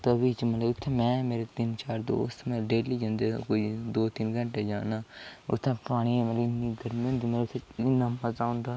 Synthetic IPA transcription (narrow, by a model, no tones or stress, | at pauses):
t̪əbiːt͡ʃmət̪ləbʊt̪ʰːemɛ̃ːmeːɾet̪ɪnt͡ʃaːɾd̪o̰ːʊst̪ʰməɖeːliːd͡ʒə̃nd̪eːkoːiːd̪oːt̪ɪnɡəɳʈeːd͡ʒaːnaːʊ̰t̪ʰːẽːpaːɽ̃iːẽːmət̪ləɪnːiɡ̪əɾmiõːnd̪iːmɐt̪lət̪ʰeɪnːaːməzaːʊ̃nd̪aː